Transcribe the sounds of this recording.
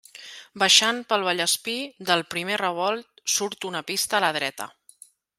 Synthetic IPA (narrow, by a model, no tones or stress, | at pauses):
bəʃanpəlˠβəʎəspid̪əlˠpɾimerəβ̞ɔlˠt̪̚suɾt̪unəpist̪əːləð̞ɾɛt̪ə̰